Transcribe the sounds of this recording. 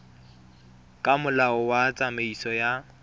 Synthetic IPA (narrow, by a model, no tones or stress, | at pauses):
kʼamʊlaɔwat͡sʼameisɔja